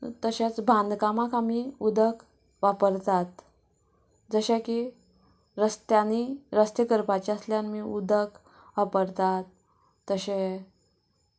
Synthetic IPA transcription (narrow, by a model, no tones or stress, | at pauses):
t̪əɕat͡sbʱãnd̪ʱkamakamiud̪ʱək | ʋapəɾt̪at̪ | d͡zəɕaki | ɾəst̪janiɾəst̪əkəɾpat͡ɕiəsljanmiud̪ək | ʋapəɾt̪at̪̚ː | əɕe